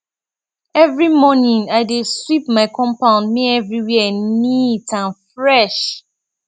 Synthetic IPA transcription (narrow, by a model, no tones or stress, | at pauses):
ɛvɹimɔnĩŋaɪdeswipmaɪkʰɔ̃mpãʊ̃ndmiɛvɹiwiɛnitãnfɹɛʃ